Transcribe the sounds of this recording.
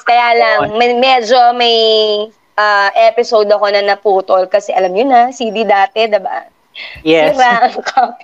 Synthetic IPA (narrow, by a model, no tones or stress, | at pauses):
kɐjaːlɐŋmɐmɛd͡ʒo̞mɐj | ʔaʔɛpɪsowd̪ɐko̞nɐnɐpuːt̪olkɐsɛʔɐlɐmɲʊnɐsiːd̪id̪aːt̪ɛd̪ɪba̰ | ɛɾaʔɐŋkʰo